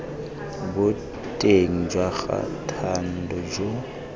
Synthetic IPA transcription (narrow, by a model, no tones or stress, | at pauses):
bʊ | tʼeŋ̩d͡ʒwaɣa̰tʰan̩dɔd͡ʒo